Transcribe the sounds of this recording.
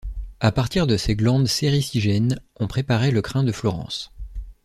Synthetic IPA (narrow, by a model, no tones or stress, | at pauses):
apaʁt̪iʁd̪əseɡlɑ̃d̪seʁisiʒɛnɔ̃pχepaʁɛləkχɛ̃d̪əflɔʁɑ̰̃s